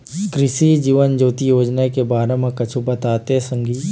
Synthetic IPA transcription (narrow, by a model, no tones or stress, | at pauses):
kɾɪʃid͡ʒiːʋənd͡ʒoːt̪ijoːd͡ʒnakebaːɾẽmẽkɐt͡ʃʰubɐt̪aːt̪esə̃ŋɡiː